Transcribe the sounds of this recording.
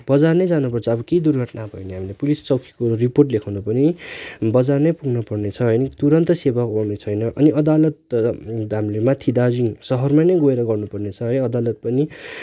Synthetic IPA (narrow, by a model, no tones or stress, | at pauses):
bʌd͡zarnʌjd͡zanupʌrt͡sʰʌːbʌked̪urɡʱʌʈnabʱʌjneɦamilepulist͡sʌwkʰi̥koriporʈ̬lekʰawnʌpʌnibʌd͡zarnʌjpuɡʱnʌpʌrnet͡sʰʌɦʌjnʌt̪uɾʌnt̪ʌsebakownet͡sʰʌjnʌʔʌniʌd̪alʌt̪̚ | ɦamilemat̪ʰid̪ad͡ziŋsʌɦʌrmajnʌjɡoeɾʌɡʌrnupʌrnet͡sʰʌɦʌjnʌd̪alʌt̪̚pʌni